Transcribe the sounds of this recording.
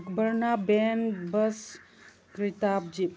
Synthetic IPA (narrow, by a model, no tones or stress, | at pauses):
kbəɾnabenbɐs | kɾit̪aːb̚d͡ʒi